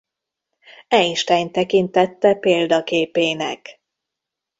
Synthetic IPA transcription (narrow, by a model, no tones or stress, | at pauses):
ɛiʃt̪ɛjnt̪ɛkint̪ɛt̪ːɛpeːld̪ɒkeːpeːnɛk